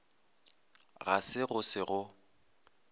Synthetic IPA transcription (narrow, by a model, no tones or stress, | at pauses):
ɣa̰sɪɣʊsɪɣʊ